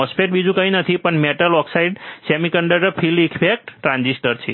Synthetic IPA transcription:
ɔspeʈ̚bid͡ʒũkə̃ĩnət̪ʰipəɳmeʈəlɔksaiɖsemikəɳɖəʈəpʰilikfek̚ʈːɾãnd͡ʒisʈəɾt͡ʃʰḛ

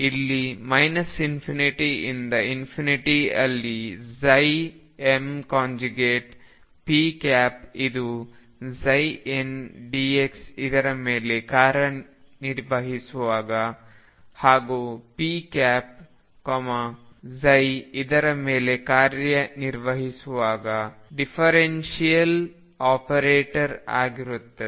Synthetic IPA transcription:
ilːimɐjnɐsinpʰiniʈiḭnd̪ɐinpʰiniʈiɐ̰lːizɐj | emkaːɲd͡ʒuɡeːʈ | piːkaːpid̪u | zɐjenɖieksid̪ɐɾɐmeːle̞kaːɾjɐ | niɾʋɐɦisuʋaːɡɐ | haːɡupiːkaːp̚ | komɐzɐjid̪ɐɾɐmeːlekaːɾjɐniɾʋɐɦisuʋaːɡɐɖipʰɐɾenʃijɐl | aːpɐɾeːʈɐɾa̰ːɡiɾut̪ːɐ

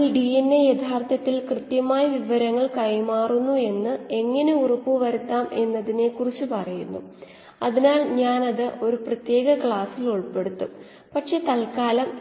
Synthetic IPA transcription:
lɖienːejet̪ʰːaːrt̪ʰɐt̪ːilkrɨt̪jɐmaːjɐʋiʋɐɾɐŋːɐɭkɐjmaːrunːue̞nːɨe̞ŋːɐne̞urɐpːuʋɐɾut̪ːaːme̞nːɐðine̞kurit͡ɕːupɐrɐjunːṵ | ɐðinaːlɲaːnɐðɨo̞ɾuprɐt̪je̞ːɡɐkɭaːsiluɭpe̞ɽut̪ːu | pɐʈʂe̞ːt̪ɐlkaːlɐm

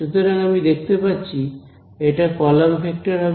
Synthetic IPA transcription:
ʃut̪oɾaŋamid̪ekʰt̪epatːɕʰi | eʈakɔlamfek̚ʈaɾɦa

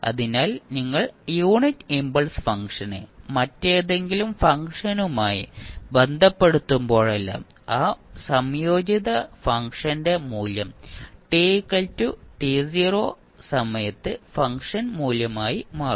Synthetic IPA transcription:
ɐ̰ðinaːlniŋːɐɭjuːɳitːimbɐlsfɐŋkʂɐnḛmɐtːeːðe̞ŋɡilumfɐŋkʂɐnumaːjḭbe̞nd̪ʱɐpːe̞ɽut̪ːumbo̞ːɭɐlːɐ̰m | aːsɐmjo̞ːd͡ʑiðɐfɐŋkʂɐnde̞muːljɐmʈikːɐltːuʈisiːro̞ː | sɐmɐjɐt̪ːɨfɐŋkʂɐnmuːljɐmaːjimaː

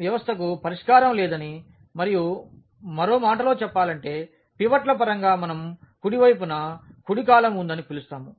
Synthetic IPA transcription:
ʋjɐʋɐst̪ʰɐk̬upɐɾiʂkaːɾɐmlɛːd̪ɐni | mɐɾiju | mɐɾo̞ːmaːʈɐlo̞ːt͡ʃɛpːaːlɐɳʈe̞ː | piʋɐʈlɐpɐɾɐŋɡaːmɐnɐm | kuɽiʋɐjpunɐkuɽik̬aːlɐmund̪ɐnipilust̪aːmu

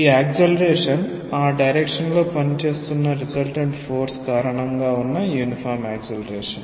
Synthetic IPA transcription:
iːaːkselɐɾeːʂɐn | aːɖɐjɾekʂɐnloːpɐnt͡ʃe̞ːst̪unːɐɾisɐlʈɐɳʈfo̞ːɾskaːɾɐɳɐŋɡaːunːɐjuːnifaːɾmaːksɐlɐɾeːʂɐn

